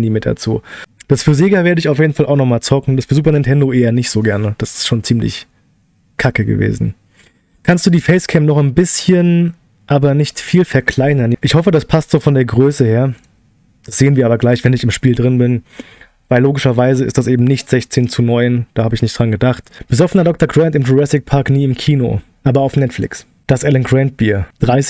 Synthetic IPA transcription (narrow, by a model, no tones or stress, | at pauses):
niːmɪt̚d̥a̰t͡sṵːd̥asfyːɐzeːɡɐveːɐdəɪçaʊfjeːdn̩falʔa̰ʊxnɔχmaːlt͡sɔkŋ̩d̥asfyɐzuːp̬ɐnɛntʰɛndoʔeːɐnɪçtz̥oːɡɛɐnəd̥asɪ̥stʃoːnt͡siːmlɪ̰ç | kʰakəɡə̰vḛːzn̩ | kʰanstd̥uːdiːfɛɪskʰɛmnɔχaɪnbɪsçən | ʔaːbɐnɪçtfiːlfɛɐkʰl̥aɪnɐnʔɪçhɔfədaspʰastz̥oːfɔndeːɐɡʁøːsəheːɐ | d̥asz̥eːənviɐaːbɐɡlaɪçv̥ɛnɪçɪmʃpiːldʁɪnbɪn | vaɪlːoːɡɪʃɐvaɪzəɪ̰std̥asʔeːbm̩nɪçtz̥ɛçt͡seːnt͡sunɔʏnd̥aːhaːbəɪçnɪçtd̥ʁanɡədaχtb̥əzɔfənɐdɔk̚tɐɡʁɛntɪmtʁuʁɛsɪk̚pʰaɐkniːɪmkʰiːno̰ʔaːbɐaʊfnɛtflɪ̰ks | d̥asʔɛlənɡʁɛnt̚b̥iːɐd̥ʁaɪs